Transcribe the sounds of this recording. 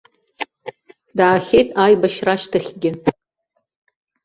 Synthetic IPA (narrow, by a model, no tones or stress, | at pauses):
daːχʲejtʼaːjbaʃraʃtʰaχʲɡʲɪ